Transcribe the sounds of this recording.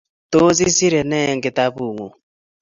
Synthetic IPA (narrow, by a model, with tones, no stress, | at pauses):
to˦zi˦si˦ɾɛ˨nɛ˦˨ŋɡe˨ta˦βu˦˨ŋṵ˨